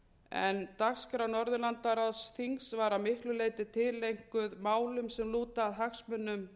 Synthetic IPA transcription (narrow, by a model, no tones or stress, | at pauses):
ɛ̰nt̪axskɾawnɔɾðʏlant̪aɾaðsθiŋsvaɾamɪhklʏleːjt̪ɪt̪ʰɪlːejŋ̥kʏðmaːwlʏmsɛmluːt̪aːðɦaxsmʏnːʏm